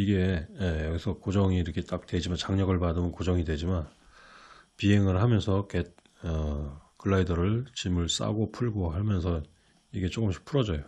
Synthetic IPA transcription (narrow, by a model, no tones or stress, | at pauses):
iɡe̞jejʌɡisʰʌkod͡ʑʌŋiːɾʌkʰe̞t͈ak̚t͈we̞d͡ʑimant͡ɕaŋɲʌɡɯɭpadɯmʌnkod͡ʑʌŋidwe̞d͡ʑiman | piɦe̞ŋɯɭɦamjʌnsʰʌket̚ | ʌkɯɭːaidʌɾɯɭt͡ɕimɯɭs͈a̰ɡopʰuɭɡoɦaɭmjʌnsʰʌ | iɡe̞t͡ɕ͈ok͈ɯmɕʰi̥pʰuɾʌd͡ʑʌjo